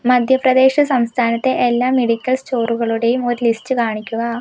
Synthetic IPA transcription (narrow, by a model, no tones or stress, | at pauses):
mɐd̪ʱjɐprɐd̪e̞ːɕɐsɐmst̪ʰaːnɐt̪ːe̞ʔelːaːme̞ɽikʲːɐlst͡ɕo̞ːruɣɐɭuɽe̞jumo̞ɾulistɨkaːɳikʲːuɣɐ